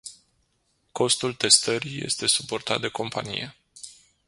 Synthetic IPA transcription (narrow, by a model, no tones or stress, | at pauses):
ko̞st̪ult̪e̞st̪əɾije̞̰st̪e̞supo̞rt̪at̪̚d̪e̞ko̞mpa̰nḭje̞